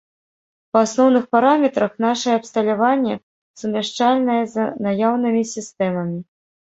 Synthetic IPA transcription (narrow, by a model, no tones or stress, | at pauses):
pasnɔwnɨxpaɾamʲɛt̪ɾɐxn̪aʂɐjɛːpst̪ɐlʲavanʲːɛ | sumʲaʂt͡ʂalʲnɐjɛzɐnajawnɨmʲisʲist̪ɛmɐmʲi